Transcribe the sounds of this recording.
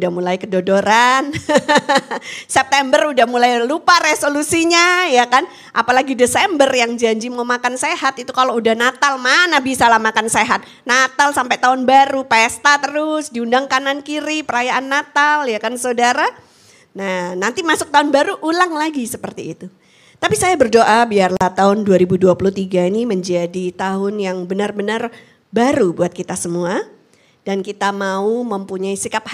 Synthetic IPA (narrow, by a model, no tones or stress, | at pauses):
udahmulajkədodoɾan | sɛp̚t̪ɛmbərudahmulajlupaɾesolusiɲajakan | ʔapalaɡidesɛmbərjaŋd͡ʒaɲd͡ʒimamakansehat̪it̪ukaloudahnat̪almanahbisalamakanseɦat̪̚ | nat̪alsampɛt̪aʊnbaɾupest̪at̪əɾʊsdiundaŋkanankiɾipəɾajaʔanːat̪aljakansodaɾa | nahnant̪imasʊk̚t̪aʊnbaɾuʔːlaŋlaɡisəpərt̪iːt̪u | t̪apisajabərdoʔabiarlaht̪aɦʊnduaɾibuduapulut̪iɡainiməɲd͡ʒadit̪aɦʊnjaŋbənarbənar | baɾubuat̪̚kit̪asəmua | d̥ankit̪amauməmpuɲaisikap̚h